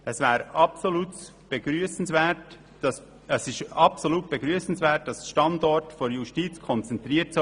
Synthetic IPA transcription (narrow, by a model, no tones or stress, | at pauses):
ɛsvɛːɾɑpsoluːt | b̥eɡ̥ɾyəsn̩svɛːt | ɑs | ɛsɪʃɑpsoluːt̚b̥eɡɾyːəsn̩svɛːt̚d̥ɑsʃtɑndɔɹtfoɾjuʃtiːt͡skʰɔnt͡sɛnt̪ɾiːəts